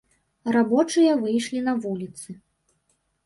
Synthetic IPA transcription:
rabɔt͡ʂɨjɐvɨjʂlʲinɐvulʲit̪sɨ

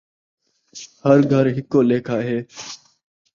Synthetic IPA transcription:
həɾɡʱəɾɦɪkːoːleːkʰaːɦeː

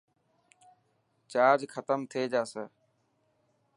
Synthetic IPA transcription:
t͡ʃaːɾd͡ʒxʰət̪əmt̪ʰeːd͡ʒaːsəː

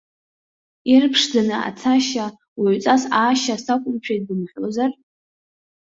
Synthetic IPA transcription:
irpʰʂd͡zanɨa̰t͡sʰaʃa | waʕʷt͡sʼasaːʃasakʷʼʊmt͡ɕʷᶣʰet̚dɨmħʷozar

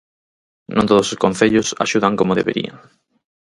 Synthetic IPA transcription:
nʔõ̰nt̪oðososkõn̟θeʎʊsa̰ʃuðaŋkomoðeβḛɾḭa̰ŋ

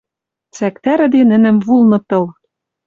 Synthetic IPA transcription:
t͡sækt̪æɾɘ̆d̪enɘ̆nɘ̆mvulnɤ̆t̪ɤ̆l

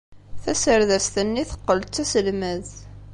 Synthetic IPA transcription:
θæsəɾðæst̪ənːiθə̥qːəlːæsəlmæð

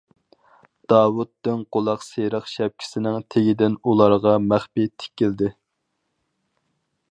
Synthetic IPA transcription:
d̪̥ɑːwut̪ːɪnqolˠɑqseɾəχʃɛp̚kʲʰi̥sɪnɪŋt̪ʰeɡʲid̪ɪnulˠɑɾʁɑmæχpit̪ʰɪ̥kʲːild̪ɪ

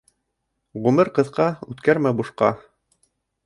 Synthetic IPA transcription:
ʁumɘɾqɤ̆ðqɑʉt̪kæɾmæbuʃqɑ

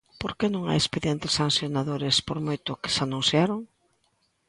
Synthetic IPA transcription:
poɾkenõŋa̰jespeðjent̪ɪsːanθjonaðoɾɪspoɾmojt̪ʊkɪ̥sanũnsjaɾoŋ

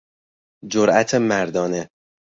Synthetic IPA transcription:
d͡ʒoɾʔæt̪ʰemæɾd̪ɒːne

